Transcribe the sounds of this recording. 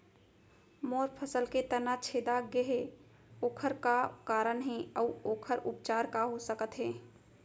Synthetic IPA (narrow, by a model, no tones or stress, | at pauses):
moːɾpʰəsəlket̪ənat͡ʃʰeːd̪aɡeɦe | oːkʰəɾkakaːɾəɳɦɛ̃ɔːoːkʰəɾʊp̚t͡ʃaːɾkaɦosəkət̪ɦɛ̃ː